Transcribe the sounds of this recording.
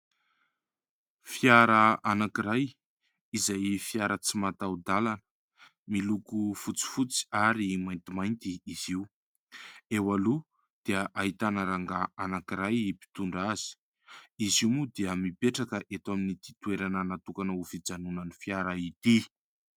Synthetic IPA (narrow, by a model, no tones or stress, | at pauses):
fiaɾəanakiɾaj | izajfiaɾət͡simat̪awd̪alanə̥ | milukufut͡si̥fut͡si̥aɾimajnt̪imajnt̪iːziu | ewalu | d̪̥eəʔaɦit̪anəɾaŋɡaanakiɾajipi̥t̪uɳɖ͡ʐaz̥i̥ | iziumud̪eəmipeʈ͡ʂakəʔet̪waminit̪i̥t̪ueɾananat̪ukanəufid͡zanunənifjaɾait̪i